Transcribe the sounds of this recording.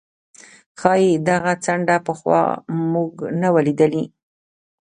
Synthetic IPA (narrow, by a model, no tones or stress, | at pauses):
xɑjid̪aɣat͡saɳɖapəxwɑ̰muɡnawalid̪əli